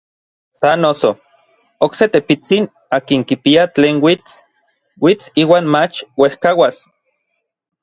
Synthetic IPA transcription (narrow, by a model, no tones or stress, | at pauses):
sanoso | okset̪epit͡sin | aːkiŋkipiat͡ɬeːnwit͡s | wit͡siːwaːnmat͡ʃwehkawas